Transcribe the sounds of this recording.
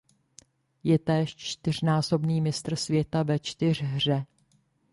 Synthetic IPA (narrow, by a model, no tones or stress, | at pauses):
jɛt̪ɛːʃt͡ʃt̪ɪr̝naːso̞bniːmɪst̪r̩svjɛt̪avɛt͡ʃt̪ɪr̝ɦr̝ɛ